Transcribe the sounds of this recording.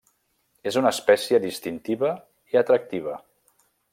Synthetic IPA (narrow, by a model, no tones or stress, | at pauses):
ezunəːspɛsiəðist̪int̪iβə | iat̪ɾək̚t̪iβ̞ə